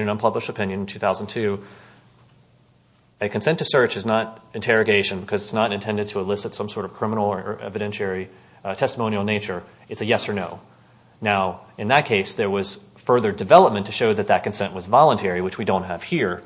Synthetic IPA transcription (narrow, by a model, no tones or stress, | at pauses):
ɨ̃nʌ̃npʰʌbləʃtɨpʰɪ̃njɨ̃ñn̩tʰʉθaʊzn̩tʰʉ | ɨkʰɨ̃n̩sɛ̃ntʰɨsɜ˞t͡ʃɨznəɾɨ̃ntʰɛɹɨɡeɪʃɨ̃nbɨkʰʌzɨtsnəɾɨ̃ntʰɛ̃ndɨd̚tʰəəlɪsɨtsʌ̃msɔɹɾʌv̥kʰɹ̥ɪ̃mənl̩ˠə˞əɛ̰vɨɾɛ̃nʃɛɹi | tʰɛstəmõʊ̃nil̩ˠneɪt͡ʃə˞ | ɨtsɨjɛsə˞noʊ | naʊɨ̃nðɨt̚kʰeɪsðə˞wʌz̥ | fɜ˞ðə˞dɨvɛlˠəp̚mɨ̃ntʰɨʃoʊðɨt̪̚ðɨt̚kɨ̃n̩sɛ̃nʔwʌzvɑlˠə̃ntʰɛɹiwɨt͡ʃwidõʊ̃nt̚ɦɨv̥hiɹ